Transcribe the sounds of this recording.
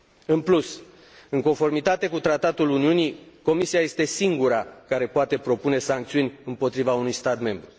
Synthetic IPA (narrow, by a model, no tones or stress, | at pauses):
ɨnplus | ɨŋko̞nfo̞rmit̪at̪e̞kut̪ɾat̪at̪uluniuniko̞misiaje̞st̪e̞siŋɡuɾakaɾe̞poat̪e̞pɾo̞pune̞saŋk̚t̪siunʲɨmpo̞t̪ɾivaunujst̪at̪me̞mbɾu